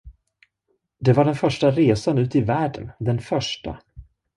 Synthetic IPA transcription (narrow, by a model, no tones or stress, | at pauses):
d̪ɛvaɖɛnfœʂʈaɾeːsanʉ̟ːt̪ɪvæːɖə̰nd̪ɛnfœʂʈa̰